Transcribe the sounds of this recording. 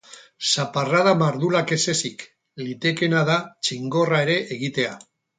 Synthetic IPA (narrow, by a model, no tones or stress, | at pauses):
saparaðamaɾðulake̞se̞sik | lit̪e̞ke̞naðat͡ʃiŋɡo̞rae̞ɾe̞ʔeɣ̞it̪e̞a